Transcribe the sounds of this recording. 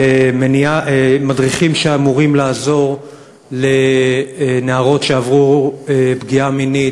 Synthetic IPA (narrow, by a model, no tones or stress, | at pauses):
emeniaʔemadʁiχimʃeamuʁimlaːzo̞ʁ | le̞ | neaʁo̞tʃeavʁuebɡiamini